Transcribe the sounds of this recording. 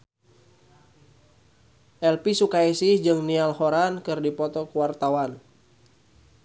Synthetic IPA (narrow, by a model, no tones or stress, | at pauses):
ʔɛlpisukaisɪhd͡ʒɨŋnialhoɾankɨrdipɔt̪ɔkəwart̪awan